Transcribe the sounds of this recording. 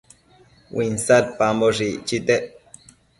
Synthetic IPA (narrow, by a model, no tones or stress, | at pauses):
winsat̪̚pamboʐit͡ʃit̪e